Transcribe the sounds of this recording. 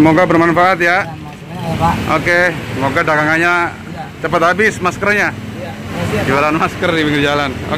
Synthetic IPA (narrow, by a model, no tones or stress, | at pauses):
əmoɡabərmanfaʔat̪̚ja | o̰keŋoɡadaɡaŋaɲa | t͡ʃəpət̪ɦabɪsmaskərɲa | d͡ʒiwalaanmaskərdiwiɡəd͡ʒalano̰